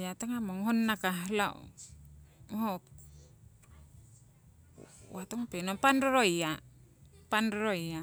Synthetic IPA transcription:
jat̪aŋamoŋɦonːakaɦla̰ | mɦop̚ | wat̪oŋpenopanɾoɾoja | panɾɾoia

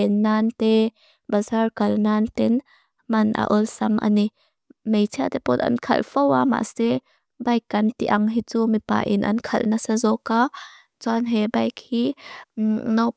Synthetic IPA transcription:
ɛnːaːnt̪ɛ | bɐzarkɐlnaːnt̪ɛn | mɐnʔa̰ʔɔlsɐmʔa̰ni | mejt͡sʰiat̪ɛpɔt̪ɐ̰nkʰɐ̰lfɔwama̰ʔsɛ | bɐjkːɐnt̪iʔɐŋɦit͡sumipa̰ʔinʔɐ̰nkʰɐ̰lnasazɔka | t͡sanɦɛbɐjkhi | nɔ

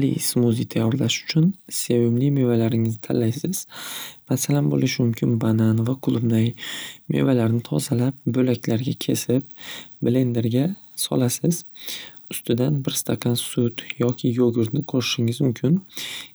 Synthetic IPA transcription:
alḭsmuzit̪ʰajːɒɾlaʃʊ̥t͡ʃʰʊnse̞vɪblɪmevalaɾɪŋɪznɪt̪ʰa̰lːajsɪz̥masalanbo̰lɪʃɪmʊmkʲʰɪnbananvaqʰʊlˠʊbnajme̞̰valaɾnɪt̪ʰɒzalap̚bɵlakʲʰlaɾɡʲakʲʰe̞sɪpble̞nd̪e̞ɾɡʲa | sɒ̰lasɪz | ʊst̪ʰɪd̪anbɪɾst̪ʰaqʰɑnsʊt̪jɒkʲʰɪjoɡʲɪɾt̪nɪqʰoɾɪʃɪŋɪzmʊmkʲʰɪn

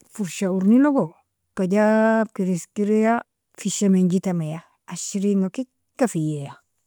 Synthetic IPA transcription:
fuɾʃauɾniloɡo | kaɟab̚kiɾiskiɾeja | fiʃameɲɟitameja | aʃiɾiŋoki | kːafijeja

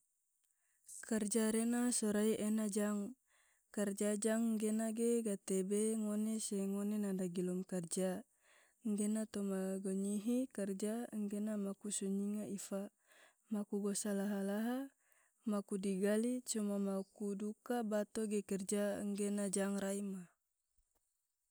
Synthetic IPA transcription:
kərd͡ʒaɾenasɔɾaiʔɛnad͡ʒaŋ | kərd͡ʒad͡ʒaŋŋɡenaɡeɡat̪ebeŋonesɛŋonenadaɡilɔmkərd͡ʒa | ŋɡenat̪omaɡɔɲiɦikərd͡ʒaŋɡenamakusuɲiŋaifa | makuɡɔsalaɦalaɦa | makudiɡalit͡ʃumamakudukabat̪oɡɛkɛrd͡ʒaŋɡenad͡ʒaŋraima

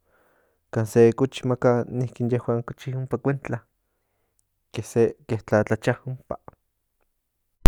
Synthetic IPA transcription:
kaːnsekut͡ʃi̥makanihkinjehwaŋkot͡ʃiumpakʷent͡ɬa | kehsekeht͡ɬat͡ɬat͡ʃahumpa

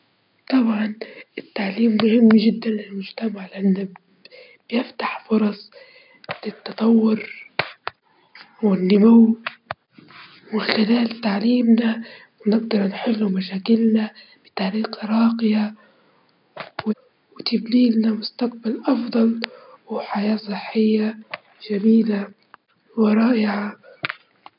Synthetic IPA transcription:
t̪ˤɑbʕɑnɪt̪ːaʕliːmːʊhɪmːʒɪd̪ːanlɪlmʊd͡ʒt̪amaʕlɪʔanːa | b̥jɪft̪aħfʊɾˤɑsˤ | lɪt̪ːɑt̪ˤɑwːʊɾ | wɪnːʊmuw | wɪxɪlaːlt̪aʕliːmnawnɪɡ̚d̪ɑɾˤnħɪlːumaʃaːkɪlnab̥ɪt̪aʕɾiːqɾˤɑːqɪja | wɪ | wɪt̪abliːlnamʊst̪aq̚balʔɑfd̪ˤɑlwɪħajaːsˤɨħːɪjːa | ʒ̥amiːla | wɪɾˤɑːʔɪʕa

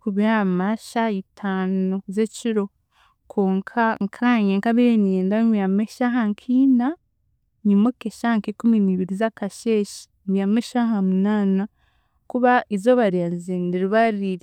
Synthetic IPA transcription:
kuβiamaʃaitʰaːnuzeciɾo̞ | kʰoːŋkʰaŋkʰaɲeŋkaβienijeːndajameʃaɦaŋkʰina | ɲimokeʃaŋkekuminiβiɾizakaʃeʃi̥ | mɡijameʃaɦamunaːna | kuβaizoβaɾianzendiɾuβaɾiɾi

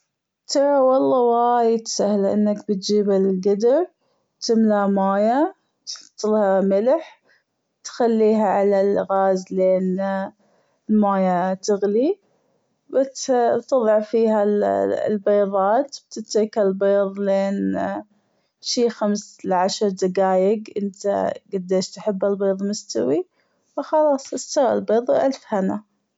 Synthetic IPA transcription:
t̪ɑɾˤɑwɑlˤːɑwajɪt̪sahlaʔɪ̰nːakbɪt̪̚d͡ʒiːbalɡad̪ɪɾ | t̪ɪmlamaːja | t̪t̪ˤːɨlhamɪlħ | t̪xalːiːɦaʕalalɣaːzleːn | lmaːjat̪ɪɣli | bat̪ɨðˤɑʕfiːhalbɑːðˤɑːt̪b̥t̪ɪt̪ːikalbeːðˤleːn | ʃiːxamslɪʕaʃɑɾˤd̪aɡaːjɪɡʔɪnt̪a̰ɡad̪ːeːʃt̪ħɪbːalbeːðˤmʊst̪awi | wxɑlɑːsˤʔɪst̪ɑɣa̰lbeːðˤwʔalfhana

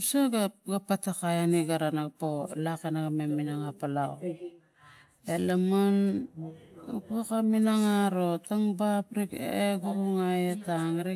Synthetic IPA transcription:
saɡaɡapatakajaniɡaɾanaɡapolakenaɡameminaŋapalaw | elaman | ukokaminaŋaɾo̞taŋbapɾikeɡuuŋajetaŋɾi

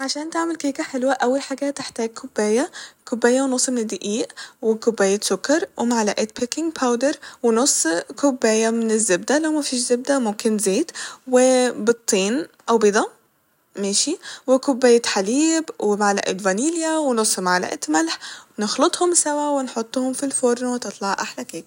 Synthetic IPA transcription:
ʕaʃæːnt̪aʕmɪlkeːkaħelwaʔæwːalħaːɡat̪ːɪħt̪æːɡ̚kʰʊbːæːjakʊbːæːjːawnosˤːmɪnɪd̪ːɪʔiːʔwɪkʊbːæːjat̪sʊkːɑɾˤwʔɪmaʕalaʔeːt̪̚pɪkːɪŋɡpʰawd̪ɑɾˤwɪnosˤːkʊbːæːjamɪnɪzːɪb̚d̪alawmæfiːʃzɪb̚d̪æmʊmkɪnzeːt̪wɪbɨt̪ˤːiːnʔawbɪd̪ˤɑ | meːʃiwɪkʊbːaːjat̪ħaliːbwɪmaʕala̰ʔḛːt̪vaniːljawnʊsˤːmaʕala̰ʔḛt̪malħnɪxlʊt̪ˤhʊmsawawɪnħʊt̪ˤːhʊmfilfoːɾˤnwt̪ɨt̪ˤlɑʕʔaħlakeːk

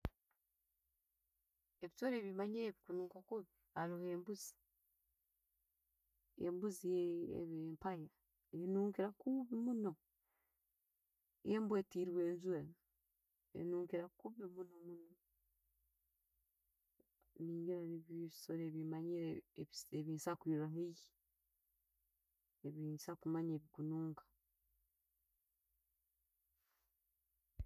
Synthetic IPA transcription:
eβisoɾeβimaɲiɾeβikunuːŋkakuβi | aluheːmbuzi̥ | ḛmbuzijḛβempaja | enuːŋkiɾakuβimuno̞ | jembwetiːɾiβweːnzuea | ḛnuːŋkiɾakuβimunomuno | niːɲɡiɾaniβiβisoɾeβimaɲiɾeeβiːnsakwiːɾaɦeji | eβiːnsakumaɲeːβikunuːŋkḁ

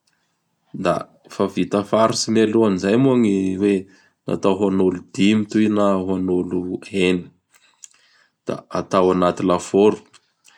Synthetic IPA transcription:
d̪a̰ | favit̪əfaɾusinaluanizajmuaŋiwe | na̰t̪aɦanulud̪̥imit̪uinaɦanuluɦeni̥ | d̪̥a̰at̪awanat̪ilafoɾu̥

